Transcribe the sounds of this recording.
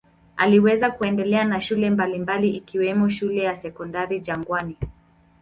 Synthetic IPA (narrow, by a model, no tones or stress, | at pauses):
a̰liwɛzakuɛndɛlɛanaʃulɛmbalimbaliʔikiwɛmɔʃulɛjasɛkɔndaɾid͡ʒaŋɡwani